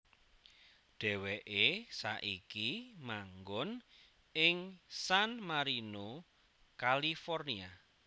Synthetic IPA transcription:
ɖ̥ɛ̤weʔesa̰ʔikimaŋɡɔn | ɪŋsanmaɾino | kalifɔrnia

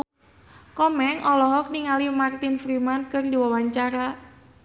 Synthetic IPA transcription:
kɔmɛŋʔɔlɔɦɔk̚niŋalimart̪infɾimankɨrdiwawaɲt͡ʃaɾa

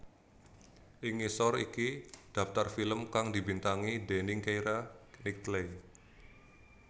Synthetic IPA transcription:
ʔiŋisɔrḭkid̥a̤ft̪arfiləmkaŋdibint̪aŋidenɪŋkejɾanik̚t̪lej

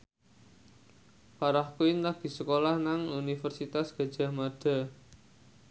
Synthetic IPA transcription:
paɾahkuɪnlahɡ̪̥i̤səkolahnaŋunifərsit̪asɡ̥a̤d̥ʒ̥a̤maɖ̥a̤

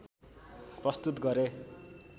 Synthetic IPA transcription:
prʌst̪ut̪ɡʌɾe

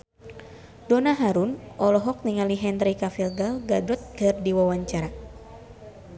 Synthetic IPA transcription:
donaɦaɾunʔɔlɔɦɔk̚niŋaliɦɛnɾikafilɡalɡadɔt̪̚kɨrdiwawaɲt͡ʃaɾa

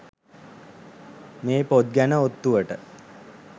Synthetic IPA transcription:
meːpod̪̚ɡænəot̪ːuʋəʈə

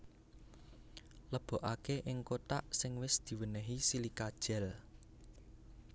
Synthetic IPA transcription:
ləb̥ɔ̤ʔakeʔɪŋkot̪aʔsɪŋwɪsd̪̥i̤wənəɦisilikad̥ʒ̥ɛ̤l

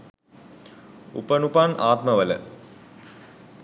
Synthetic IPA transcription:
ṵpənupanaːt̪mɐʋələ̰

